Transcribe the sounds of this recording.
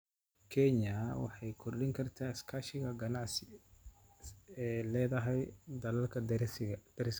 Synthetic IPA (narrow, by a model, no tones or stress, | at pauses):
kʰɛɲɐwɑ̰ħɑjkʰʊrɗɪŋkʰɐrt̪ʰaːɪskʰaːʃɪɣɐɡɐnɑʕsɪ | ɛːlɛːðɐɦɛjd̪ɐlɐlkʰɐd̪̥ɐɾɪs